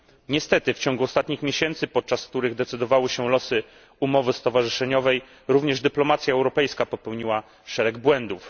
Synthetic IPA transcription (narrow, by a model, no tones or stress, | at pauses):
ɲɛst̪ɛt̪ɘft͡ɕɔ̃ŋɡuɔst̪at̪ɲixmʲeɕɛnt̪sɘpɔt̪̚t͡ʂaskt̪uɾɘɣd̪ɛt̪sɘd̪ɔvawɘɕɛlɔsɘ | umɔvɘst̪ɔvaʐɘʂɛɲɔvɛj | ɾuvɲɛʐd̪ɘplɔmat̪sʲjaɛwɾɔpɛjskapɔpɛwɲiwa | ʂɛɾɛɡbwɛnd̪uf